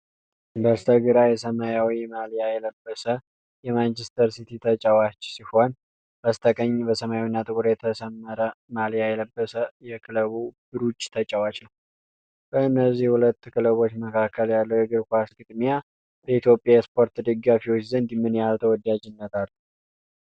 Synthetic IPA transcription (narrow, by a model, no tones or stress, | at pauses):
bəst̪ʰəɡɨɾajɛsəmajawimaljajɛləbːəsə | jɛmant͡ʃɛst̪ʰəɾsit̪ʰit̪ʰət͡ʃʼəwat͡ʃːsiho̞n | b̥əst̪ʰəkʼəɲːbəsəmajawinːat̪ʼɨkʼuɾjɛt̪ʰəsəmːəɾəmalijajɛləbːəsəjɛkʰɨləβub̥ɨɾut͡ʃːʼt̪ʰət͡ʃʼəwat͡ʃnəw | b̥əɨnːəzːihhulət̪ːkʰɨləβo̞t͡ʃːməkʰakːəljalːəwjɛɡɨɾkʷasɡɨd̪mija | bəit̪ʰjo̞pʼːjajɛspʰo̞ɾt̪d̪ɨɡːafiwot͡ʃːzənd̪mːɨnjalt̪ʰəwɔd̪ad͡ʒɪnːət̪ʰalː